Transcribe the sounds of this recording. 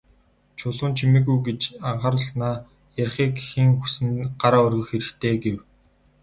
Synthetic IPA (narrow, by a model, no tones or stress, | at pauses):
t͡ɕʰʊɮʊːnt͡ɕʰimĭɣujɡet͡ɕaɴɢaːɾʊɮnaː | jarʲχiːkxiŋxusɘ̆nɢ̥aɾaːʊrɣɵ̆xxeɾɘ̆kt̪ʰeːɡew